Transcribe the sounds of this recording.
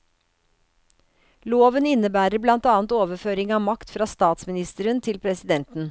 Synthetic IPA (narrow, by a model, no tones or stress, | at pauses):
loːʋənɪnːəbæːɾəɾblɑnt̪ɑːnt̪oːʋəføːɾɪŋɑːmɑkt̪fɾɑːst̪ɑːt̪smɪnɪst̪əɾənt̪ʰɪlpʰɾɛsɪd̪ɛnt̪n̩